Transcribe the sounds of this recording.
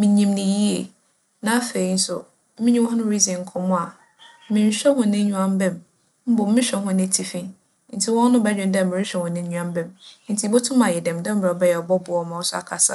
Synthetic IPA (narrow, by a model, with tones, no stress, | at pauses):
mĩ˨ɲĩ˨mnɪ̃˨ji˦e˨ | nã˨˦a˦fe˨i˨˦n̩˦sʊ˨˦ | mɪ̃˦ɲĩ˦wɔ˦ɦã˦nʊ̃˦ɾi˦zĩ˨ŋ̩˨kʰɔ̃˨mʊ̃˦a˨ | mɪ̃˨n̩˨ɕᶣɛ˦hʊ̃˦nɪ̃˦ũ˦ã˦m˦bɛ̃˦m | m̩˦bɔ˨m̩˦mɪ̃˦ɕᶣɛ˨hʊ̃˦nɪ̃˦tʰi˨fĩ˦n | n̩˨tʰɪ˦wɔ̃˦n˦nʊ̃˦bɛ˦ɲᶣɪ̃˨n˦dɛ˦˨mɪ̃˨ɪ̃˦ɕᶣɛ˦hʊ̃˨nɪ̃˦ɲũ˦ã˦m˦bɛ̃˦m˦n̩˨tʰi˨˦bo˦tʰʊ̃˦mã˨jɛ˨dɛ̃˨mdɛ˦m̩˦m˨ɔ˨bɛ˦jɛ˨ɔ˨bɔ˦bʊ˨ɔ˦mã˨wɔ˦sʊ˦a̰˨kʰa˨sa̰˦˨